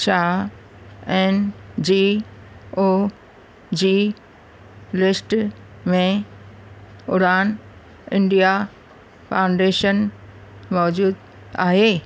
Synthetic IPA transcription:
t͡ʃa | ɛnd͡ʑi | o | d͡ʑi | lɪsʈ | mẽ | ʊɾaːn | ɪ̃ɳɖija | pʰãʊ̃ɳɖeːʃən | mɔːd͡ʑuːd̪ | a̰ːɦeː

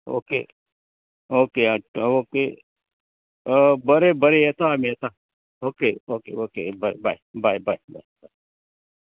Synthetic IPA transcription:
o̰ːkḛː | oːkeːãoːkeː | bəɾebəɾeet̪amiet̪aː | oːkeːoːkḛːoːkḛbɐɾḛba̰ibaːibaiba̰ːiba

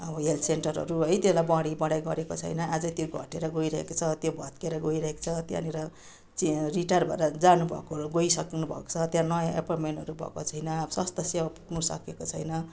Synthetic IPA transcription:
ʌbʌɦelʈʰsenʈʌrʌ̰ɾuɦʌjt̪elajbãɽibʌɽajɡʌɾekot͡sʰʌ̰jnʌʔad͡zʌt̪joɡʱʌʈeɾʌɡoiɾʌɦḛkot͡sʰʌt̪jobʱʌt̪keɾʌɡoiɾʌɦeko̥t͡sʰʌt̪ja̰neɾʌ | t͡siriʈarbʱʌ̰ɾʌd͡zanubʱʌ̰koɡoisʌknubʱʌ̰ko̥t͡sʰʌt̪jãnʌjaʔḛpʌrmeɳʈʌɾubʱʌ̰kot͡sʰʌjnʌsast̪ʌsewapu̥knusʌ̰kekot͡sʰʌjnʌ

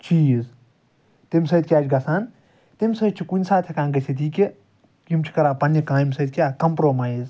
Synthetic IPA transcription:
t͡ʃʰiz | t̪emʲsɐːd̪̚kʲjaːd͡ʒʰʲɡɐsaːn | t̪emʲsɐjt̪̚t͡ʃʰikunʲsaːt̪ʰekãːnɡɐsʰʲet̪̬iːke | kimt͡ʃʰi̥kɐɾaːpɐnikãːjimʲsɐjd̪̚kʲjaːkɐmpɾoːmaːjz

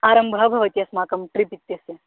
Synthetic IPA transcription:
aːɾɐmbʱɐbʱɐʋɐt̪ijɐsmaːkɐmʈɾipit̪ːjɐse

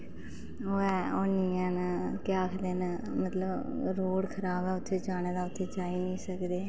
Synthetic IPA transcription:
oːɛːoniːɛːnəkɪaːkʰd̪eːnəmət̪ləbɾoːɽkʰəɾaːbɛːʊt̪ʰːeːd͡ʒaːñeːd̪aːʊt̪ʰːeːt͡ʃaːiːnĩːsəkd̪eː

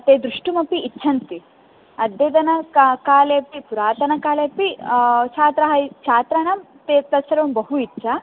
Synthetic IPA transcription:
ɐt̪eːd̪ɾuʂʈumɐpiːtːʃʰɐnt̪i | ɐd̪ːed̪ɐnɐkkaːleːpipuɾaːt̪ɐnɐkaːlepit͡ʃʰaːt̪ɾɐɦɐit͡ʃʰaːt̪ɾɐɳɐm | t̪eːpɾɐsɐɾʋɐmbɐɦuitːʃʰɐ

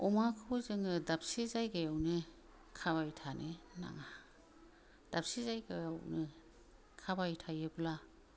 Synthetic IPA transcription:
ɔmakʰuzɯŋɯdap̚sizajɡajawnɯ | kʰaβajtʰanɯna̰ŋa | d̥ap̚sizajɡajawnɯ | kʰabajtʰajɯbla

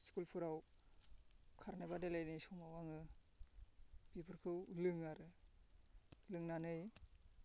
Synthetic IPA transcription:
skulpʰɯɾaw | kʰaɾnebadelajnɯjsɔŋawaŋɯ | b̥ipʰɯɾkʰɯwlɯŋaɾɯ | lɯŋnanɯj

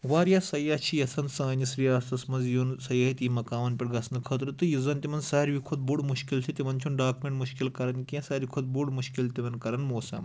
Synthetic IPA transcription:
ʋaːɾjaːsɐjaːt͡ʃʰijɐsɐnsãːɲisɾijaːst̪ɐsmɐnzjunsɐjɐːɦit̪imɐkaːʋɐnpʲiʈɡɐsnɨkʰɐt̪ɾɨt̪ɨjizɐnt̪imɐnzsaːɾʋikʰod̪̚buɽmuʃkilt͡ʃ̪ʲʰit̪ʲimɐnt͡ʃʰunɖaːkumʲeɳʈmuʃkilkɐɾɐnkʲẽːsɐːɾikʰod̪̚buɖmuʃkilt̪iʋɐnkɐɾɐnmoːsɐ̰m

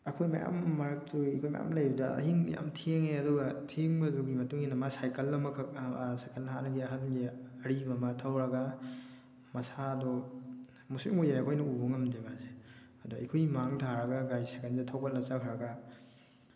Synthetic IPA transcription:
ɐkʰojmɐ̰ja̰mːɐɾɐk̚tʰuekʰojmɐ̰ja̰mlɐjbudaɐ̰ɦiŋ̰ja̰mtʰeŋeɐduɡatʰeŋbɐzuɡimɐtuŋinːɐmasajkɐlːɐmɐkʰɐksajkɐlnɦanɐɡiɐɦalɡiɐɾimɐmɐtʰawɾɐɡa | mɐsaːdɔ | musiŋojajɐkʰojnɐubɐŋɐmdemaze | ɐduikʰojmaŋtʰaɾɐɡaɡajsajkɐndatʰawbɐlːɐt͡ʃakʰɾɐɡa

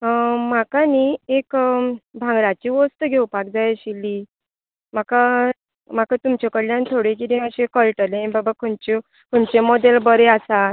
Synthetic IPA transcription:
makaniekbʱãŋɡɾat͡ɕiʋɔst̪əɡʱewpak̚d͡zajɕilːi | m̤aka | m̤akat̪umt͡ɕɔkəɽljãnt̪ʰoɽek̬id̪ĩəɕekəlʈəleẽbabakʰunt͡ɕu | kunt͡ɕemɔd̪elbəɾeasa

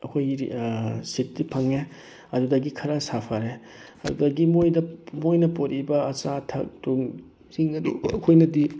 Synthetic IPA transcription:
ɐkʰoj | sit̚dipʰɐŋe | ɐdudɐɡikʰɐɾɐsapʰaɾe | ɐdudɐɡimojdɐmojnɐpoɾʔibɐːt͡ʃatʰɐ̰k̚tuŋ | ziŋɐdṵɐkʰojnɐdi

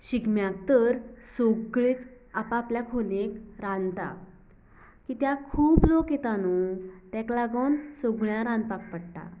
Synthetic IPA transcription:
ɕiɡmjak̚t̪əɾsoɡɭet͡s | apaːpljakʰonekɾãnt̪a̰ | kiːt̪jakʰuːblokjet̪anut̪ɛklaɡonsoɡɭjãɾãnd̪̚pak̚pəɽʈa̰

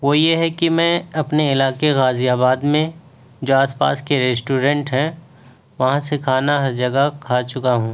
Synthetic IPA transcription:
ʋoːjeɦɛkimɛ̃ːɐpneɪlaːkeɣaːzijaːbaːd̪mẽ | d͡ʒoːaːspa̰ːskeɾeːsʈuːɾɛ̃ɳʈɦɛ̃ | ʋɐɦãsekʰaːnaɦɐɾd͡ʒɐɡəkʰaːt͡ʃʊkaɦũː

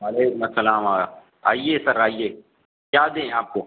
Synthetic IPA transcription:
aːleːkʊmɐsːɐlaːmaːa | a̰ːijeːsɐɾaːijeː | kjaːd̪ẽːaːp̚koː

